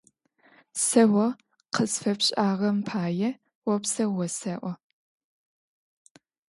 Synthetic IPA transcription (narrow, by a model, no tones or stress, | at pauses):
sɐwɐ | qəsfɐpɕʼaːʁɐmpʰaːjɛ | wɔpsɐwɔsɐʔʷɔ